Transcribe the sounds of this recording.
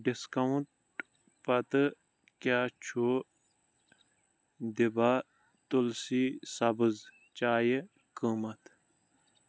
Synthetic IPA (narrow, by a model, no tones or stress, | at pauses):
ɖɪskɐuɳʈ | pɐt̪ɨ | kjaːt͡ʃʰu | d̪ibaː | t̪ulsiːsɐbəz | t͡ʃaːje | kəːmɐt̪